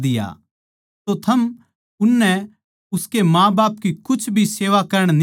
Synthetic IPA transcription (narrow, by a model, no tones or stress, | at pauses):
d̪ɪja̰ | t̪ot̪ʰɐm | ʊnːɛ | ʊskemãːbaːpkikʊt͡ʃʰbʱiseːʋakɐɾəɽ̃n